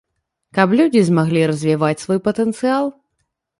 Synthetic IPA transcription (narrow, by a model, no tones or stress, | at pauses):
kɐplʲud͡zʲizmaɣlʲiɾɐzʲvʲivat͡sʲsvɔjpɐt̪ɛnt̪sɨalˠ